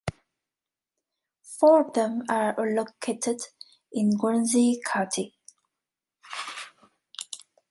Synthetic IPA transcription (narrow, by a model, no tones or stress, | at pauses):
fɔːɹðə̃maɹlokʰetʰəd | ʔɪ̃nɡɛnzikʰatʰi